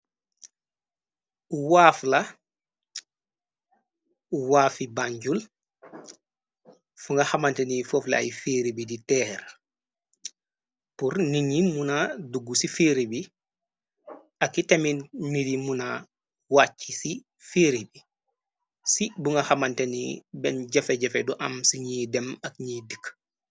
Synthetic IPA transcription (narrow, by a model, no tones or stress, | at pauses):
waːfla | waːfibaɲɟul | fuŋɡahamantenifoːfla̰a̰jifiːɾibiditɛɾ | puɾniɲimunaduɡːusifiɾibi | akːiteminnidimuna | wat͡ʃːisi | fiɾibi | sibuŋɡaxamantenḭbɛnɟɛfeɟɛfeduʔamsiɲiːdɛmakɲidik